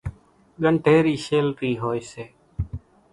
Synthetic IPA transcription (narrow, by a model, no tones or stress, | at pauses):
ɠəɳʈʰeːɾiːʃeːlɾiːɦoːjseː